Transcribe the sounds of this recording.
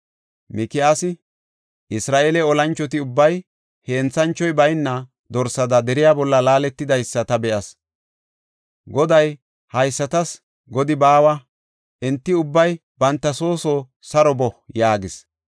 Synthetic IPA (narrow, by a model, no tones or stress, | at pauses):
mɪkɪjaːsɪ | ʔɪsɾaːʔeːlɛɔlɐnt͡ʃːɔt̪ɪʊbːɐj | heːnt͡sːɐnt͡ʃːɔjbɐjnːɐ | d̪ɔɾsɐd̪ɐd̪ɛɾɪjaːbɔlːɐlaːlɛt̪ːɪd̪ɐjsːɐt̪ɐbɛʔɐs | ɡɔd̪ɐj | hɐjsːɐt̪ɐs | ɡɔd̪ɪbaːwɐ | ʔɛnt̪ːɪʊbːɐj | bɐnt̪ːɐso̞ːsɔ | sɐɾɔbɔjaːɡɪs